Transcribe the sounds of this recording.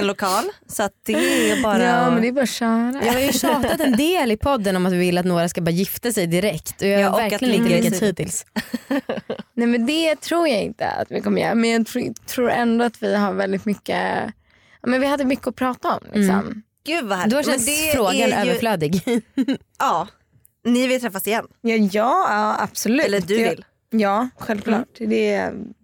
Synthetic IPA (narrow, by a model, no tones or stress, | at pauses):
ɛnlʊkʰɑːlsɔat̪̚d̪̥ɛɛbɑːɾɑːmɛnd̪ɛːɾbɑːɾaɕœːɾajɑːɡhaɾjɵsɑːt̪at̪ɛnd̪eːlɪpʰɔd̪ːənɔmat̪vɪvɪlːat̪noːɾaskabɑːɾajɪft̪asɛjd̪ɪɾɛkt̪ɔjɑhvæɾklɪjnɪlikːat̪hiːd̪t̪ɪls | nɛmɛnd̪ɛt̪ʰɾuːɾjaɪ̰nt̪ə̰a̰t̪vɪ̰kɔmːəjɛ̰ɾmɛnjɑːɡt̪ʰːt̪ʰɾuːɾɛnd̪oat̪vɪɦaɾvɛld̪ɪt̪mʏkːə̰ | aːmɛnvɪhad̪ːəmʏkːəɔpʰɾɑːt̪aɔmlʔɪ̰kssɔ̰m | ɡ̥ʉ̟vahæd̪ɵhaɛɛfɾoːɡanøːvəɾfløːd̪ɪɡ | ɑː | nɪvɪlt̪ʰɾɛfːasɪjɛnːjɑjɑːɑab̥sɔlʉ̟ɛːlːədʉɪl | jɑːɧɛlvkʰlɑ̰ːʈd̪ɛ